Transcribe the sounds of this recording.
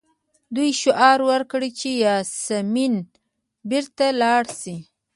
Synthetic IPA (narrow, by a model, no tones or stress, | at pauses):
d̪ujʃʊʔɑɾwaɾkɽit͡ʃejɑsamin | bɪɾt̪alɑɽsi